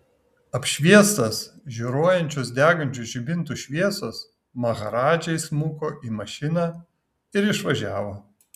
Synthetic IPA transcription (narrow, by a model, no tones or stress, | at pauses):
ɐpʲʃʲʋʲiɛst̪ɐsʒʲuɾoːjɛnʲt͡ʃʲoːs̬d̪ʲæːɡɐnʲt͡ʃʲʊʒʲɪbʲɪnt̪uʃʲʋʲiɛsos | mɐɣɐɾɑːd͡ʒʲɛɪsmuːkoːʔiːmɐʃʲɪnɑː | ɪɾɪʃʋɐʒʲæːʋoː